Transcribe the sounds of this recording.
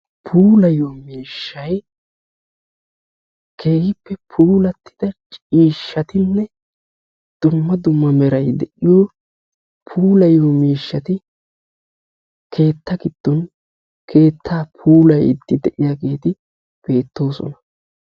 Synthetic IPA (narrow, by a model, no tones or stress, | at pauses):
pʰuːlɐjoːmiːʃːɐj | kʰe̞ːhɪpːɛpʰuːlɐt̪ːɪd̪̥ɐt͡ʃʼiːʃːɐt̪ɪnːɛ | d̪̥ʊmːɐd̪ʊmːɐmɛɾɐjd̪ɛʔɪjoː | pʰuːlɐjoːmiːʃːɐt̪ɪ | kʰe̞ːt̪ːɐkɪd̪̥ːɔn | kʰe̞ːt̪ʰːaːpʰuːlɐjɪ̰t̪ːɪd̪ɛʔɪjaːɡe̞ːt̪ɪ | b̥e̞ːt̪ːo̞ːsɔ̰nɐ